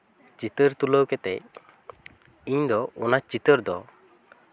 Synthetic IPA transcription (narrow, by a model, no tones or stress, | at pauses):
t͡ʃit̪əɾt̪uləwkɛt̪ɛ̰ | iɲd̪ɔɔnat͡ʃit̪əɾd̪ɔ